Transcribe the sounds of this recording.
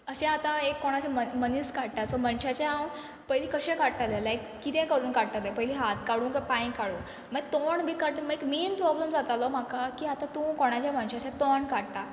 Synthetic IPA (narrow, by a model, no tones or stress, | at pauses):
əɕẽat̪aekːoɽ̃at͡ɕaməməniːskaɽt̪asɔməɳɕat͡ɕaãw | pəjliːkəɕẽkaɽʈ̪alelajkːit̪ɛ̃kəɽuːnkaɽt̪alepəɦliɦat̪kaɽũːnkapãĩkaɽũː | məɡt̪oɳbʱiːkaɽməɡekmenpɾɔbləmd͡zat̪alom̤akakiːat̪at̪ũkoɽ̃at͡ɕjamənɕat͡ɕãt̪oɳkaɽt̪a